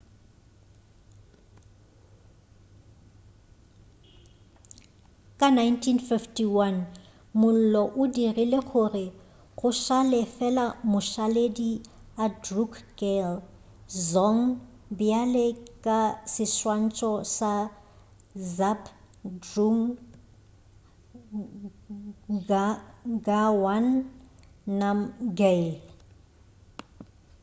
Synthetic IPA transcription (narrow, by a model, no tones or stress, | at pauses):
kʼanajntʰinfiftʰʼiwan | mʊl̩lɔʔʊdirileɣʰʊrɪ | ɣʊʃalɛfɛlamʊʃalediadrukʰɡel | zɔŋ | bɪalekʼasɪswan̩t͡ʃʼɔsa | zap | druŋ | ɡawanː | amɡe